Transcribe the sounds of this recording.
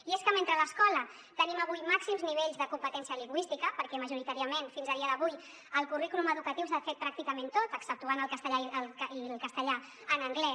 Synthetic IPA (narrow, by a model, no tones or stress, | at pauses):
ieskəment̪ɾələskɔlə | t̪əniməβujmaksimzniβ̞eʎzðəkumpət̪ɛnsijəliŋɡwist̪ikəpəɾkɛməʒuɾit̪aɾiəmenfinzəðiəðəβuj | əlˠkurikuluməðukət̪iws̬aəfet̪̚pɾak̚t̪ikəmẽnt̪ot̪əksəp̚t̪uanəlˠkəst̪əʎaəlkilˠkəst̪əʎa | ənəŋɡlɛ